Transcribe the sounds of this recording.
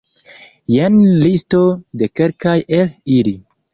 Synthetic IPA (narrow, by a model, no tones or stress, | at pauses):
jenlistode̞ke̞lkajelili